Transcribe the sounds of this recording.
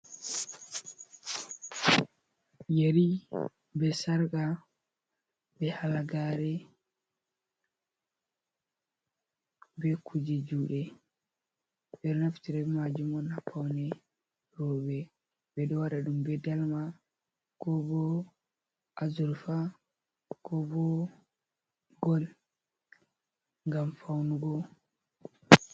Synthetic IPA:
jeɾi | bɛsaɾɡa | bɛhalaɡaɾɛ | bɛkʰud͡ʒɛd͡ʒuɗɛ | bɛɾnaftiɾɛfmad͡ʒumɔnapʰːawnɛ | ɾɔbɛ | bɛɗɔwaɗaɗumbɛdalma | kɔbɔ | ʔazuɾfa | kɔbɔ | ɡɔl | ŋɡamfawnuɡɔ

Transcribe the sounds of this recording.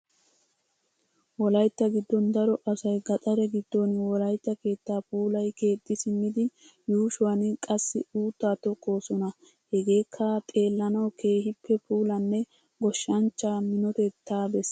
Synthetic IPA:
wɔlɐjt̪ːɐɡɪd̪ːɔnd̪ɐɾɔʔɐsɐjɡɐt̪ʼɐɾɛɡɪd̪ːɔnwɔlɐjt̪ːɐke̞ːt̪ːaːpuːlɐjke̞ːt̪ʼːɪsɪmɪd̪ɪ | juːʃʊwɐnkʼɐsːɪuːt̪ːaːt̪ɔkʼːo̞ːsɔnɐ | hɛɡe̞ːkʰːɐt̪ʼe̞ːlːɐnɐwkʰe̞ːhɪpʰːɛpʰuːlɐnːɛ | ɡɔʃːɐnt͡ʃːaːmɪnɔt̪ɛt̪ːaːbɛs

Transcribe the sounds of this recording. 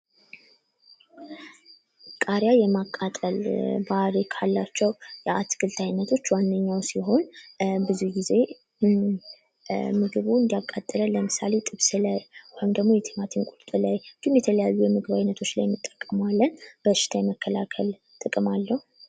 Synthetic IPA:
kʼaɾjajɛmakʼːat̪ʼəlbahɾikʰalːat͡ʃːɛwjɛat̪ɡɨlt̪ʰʼajnːət̪ʰo̞t͡ʃːwanːəɲːawsiɦo̞nbɨzuɡize̞ | mɨɡɨβuɨnd̪ijakʼːat̪ʼːələləmɨsa̰le̞t̪ʼɨβsɨləjhojimd̪əɡmo̞jɛt̪ʰemat̪ʰinkʼut̪t̪ʼɨlajd͡ʒ̥imjɛt̪ʰələjajːujɛmɨɡɨβajnːət̪ʰo̞t͡ʃːlajmːɨt̪ʼːə̥kʼːəmalːənb̥əʃɪ̥t̪ʰajɛməkːəlakʰəl | t̪ʼɨkʼɨmalːəhu

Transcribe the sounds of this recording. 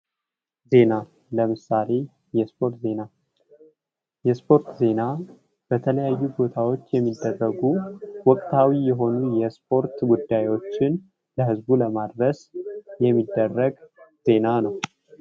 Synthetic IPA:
ze̞na | ləmɨsale̞ | jɛspʰo̞ɾt̪ze̞na | jɛspʰo̞ɾt̪ze̞na | b̥ət̪ʰələjajːubo̞t̪ʰawo̞t͡ʃːjɛmːid̪ːərːəɡuwɔkʼt̪ʰawijɛɦo̞nujɛspʰo̞ɾt̪ɡud̪ːajwo̞t͡ʃːɪn | ləɦɨzbuləmad̪ɾəsjɛmːid̪ːərːəɡze̞nanəw

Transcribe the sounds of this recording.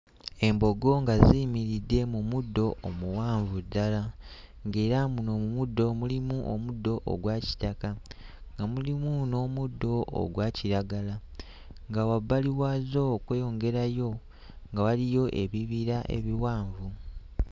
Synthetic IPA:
e̞mbo̞ɡo̞ŋɡaziːmiɾidːe̞mumudːo̞ʔːmuwaːɱvudːala | ŋɡe̞ːɾamuno̞ːmumudːo̞mulimuʔomudːo̞ʔo̰ɡwaːci̥takaŋɡamulimuno̞ːmudːo̞̰ːɡwaːciɾaɡala | ŋɡawaβːaliwaːzo̞kweːjo̞ŋɡe̞ɾajo̞ | ŋɡawalijo̞ʔe̞βiβiɾaʔe̞̰βiwaːɱvu

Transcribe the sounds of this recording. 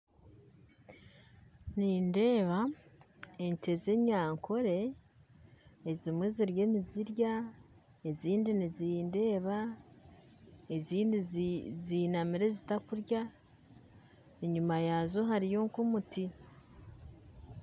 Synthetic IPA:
niːnde̞ːβa | eɲte̞ze̞ɲaːŋkʰo̞ɾe̞ | zimweziɾje̞niziɾja | eziːndiniziːnde̞ːβa | eziːndizinamiɾe̞zitakuɾja | eɲumajazoɦaɾijoŋkumuti

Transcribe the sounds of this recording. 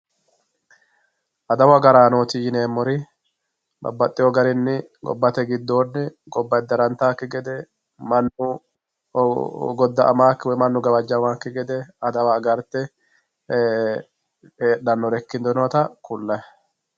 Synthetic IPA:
ʔɐd̪ɐwɐɡɐɾaːnoːt̪ijɪneːmːɔɾɪ | bɐ̰bːɐt̪ʼːɪjɔɡɐɾɪnːɪɡɔ̰bːɐt̪ɛɡɪd̪ːo̞ːnːɪ | ɡɔbːɐjd̪ɐɾɐnt̪ːaːkːɪɡɛd̪ɛ | mɐnːʊ | ɡɔd̪ːɐʔɐmaːkːɪwɔjmɐnːʊɡɐbɐd͡ʒːɐmaːkːɪɡɛd̪ɛɐd̪ɐwaːɡɐɾt̪ːɛ | eːɗːɐnːɔɾɛkːɪnd̪ɔnɔt̪ɐkʊlːɐj

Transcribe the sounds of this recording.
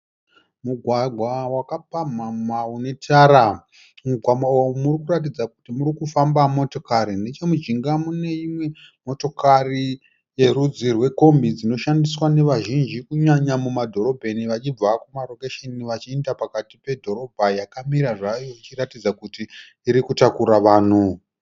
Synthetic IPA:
muɡʱwaɡʱwawakapamamaune̞tʰaɾa | muɡwamaomurikurat̬id͡zaku̥timuɾikufambamo̞to̞kaɾine̞t͡ʃe̞mud͡ʒiŋɡamune̞imwe̞ | mo̞to̞kari | je̞ɾud͡zirwe̞ko̞mbid͡zino̞ʃandiswane̞ʋaʒind͡ʒikuɲaɲamumadʱo̞ɾo̞bʱe̞niʋat͡ʃib͡vakumarokeʃeniʋat͡ʃiendapakatipe̞dʱo̞ɾo̞bʱajakamiɾaʐajo̞it͡ʃiratid͡zakutiː | ɾikutakuɾaʋaːn̤u

